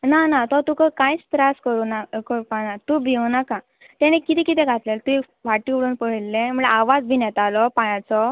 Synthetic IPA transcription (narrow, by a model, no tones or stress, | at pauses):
nanat̪ɔt̪ũkəkãjt͡st̪ɾaskəɾunakəɾupanat̪ũbʱiwnakã | t̪ɛ̃ɽ̃ẽkit̪ĩkit̪ɛ̃ɡʱat̪lelt̪ũi | ʋaʈiuɽuːnpəɦlːẽm̤əeaʋad͡zbʱinɛt̪alɔpajãt͡sɔ